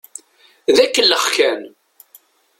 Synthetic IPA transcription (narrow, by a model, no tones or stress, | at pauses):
ðækːəlːəχkæn